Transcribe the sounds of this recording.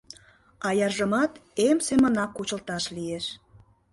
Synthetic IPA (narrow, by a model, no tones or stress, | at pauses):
ɑjɑrʒə̆mɑt̪emsemə̆nɑkːut͡ɕə̆lt̪ɑʃlieʃ